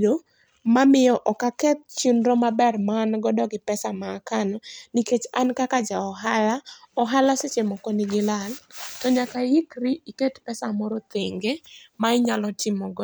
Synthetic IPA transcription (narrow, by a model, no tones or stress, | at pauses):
do | mamɪjɔʔɔkakɛt̪̚t͡ʃunɾɔmabɛrmanɡɔdɔɡɪpɛsamakanɔniket͡ʃankakad͡ʒaɔɦala | ɔɦalaset͡ʃemɔkonɪɡɪlaltɔɲakaɪkrɪiketpɛsamɔɾɔt̪eŋɡemaɪɲalɔtɪmɔɡɔ